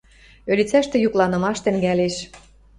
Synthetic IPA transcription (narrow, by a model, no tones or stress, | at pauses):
ølʲit͡sæʃt̪ĕjuklɑnɤ̆mɑʃt̪ə̆ŋɡæleʃ